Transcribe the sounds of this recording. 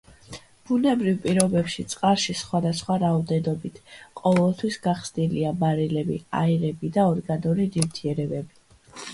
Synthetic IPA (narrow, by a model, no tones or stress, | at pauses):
b̥unɛbɾivpʼiɾɔbɛpʃit̪sʼqʼaɾʃisχwad̪asχwaɾaɔd̪ɛnɔbit̪ʰqʼɔvɛlˠt̪ʰwisɡaχsniliabaɾilɛbḭa̰iɾɛbid̪aɔɾɡanuɾid̪imt̪ʰiɛɾɛbɛbi